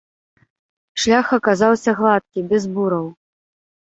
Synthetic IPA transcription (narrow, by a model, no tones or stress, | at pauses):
ʂlʲaxɐkazawsʲɐɣlˠat̪̚kʲibʲɛzbuɾɐw